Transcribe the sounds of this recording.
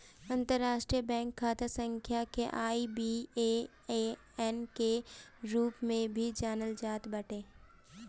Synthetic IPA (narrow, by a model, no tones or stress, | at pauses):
ɐ̃nt̪əɾːaːʃʈɾijəbɛ̃ːŋkʰːaːt̪asə̃ŋkʰjakeʔaːibie | e | ɛnkeɾuːpmẽbʱid͡ʒaːnəld͡ʒaːt̪bɐʈʰeː